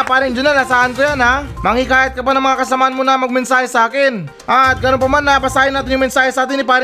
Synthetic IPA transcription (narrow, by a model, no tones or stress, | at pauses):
paːɾɪŋd͡ʒʊnanasaːʔankojanamɐŋikaːjɪt̪̚kɐpanɐŋmɐŋakɐsɐmaːʔanmonɐmɐɡ̚mɛnsaːhɛsɐʔaːkɪn | ʔat̪̚ɡɐnonpɐmanːɐpɐsaːjɪnaːt̪̬ɪnjʊŋmɛnsaːhɛsaʔaːt̪̬ɪnːɪpaːɾɪ